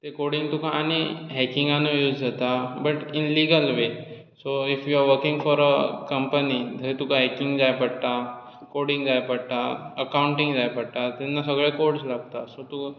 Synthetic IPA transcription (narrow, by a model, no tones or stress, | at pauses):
t̪ekoɽĩŋt̪ukʰãːñiɦɛkĩŋɡãnojuːd͡zd͡zat̪abəʈinliɡəlʋe | soifjuaɾʋəɾkĩŋɡfɔɾəkə̃mpənid̪ʱət̪ukʰãɦɛkĩŋɡd͡zajpəɽt̪a | koɽĩŋɡd͡zajpəɽt̪aəkauɳʈĩŋɡd͡zajpəɽt̪at̪ɛnːasəɡɭekoɽslaɡ̚t̪asot̪u